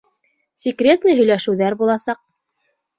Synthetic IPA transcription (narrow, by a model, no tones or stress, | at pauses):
sʲikrʲe̞t̪nɤjɦɵ̆jlæʃɘ̆wðæɾbulˠɑsɑq̚